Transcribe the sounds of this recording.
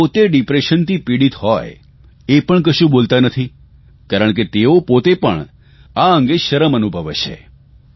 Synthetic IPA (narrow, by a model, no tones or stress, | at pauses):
pot̪eɖipɾeʃənt̪ʰipiɽit̪ɦɔj | epəɳk̬əʃũbolt̪anət̪ʰi | kaɾəɳk̬et̪eopot̪epəɳ | aə̃ŋɡeʃəɾəmənubʱəʋḛt͡ʃʰḛ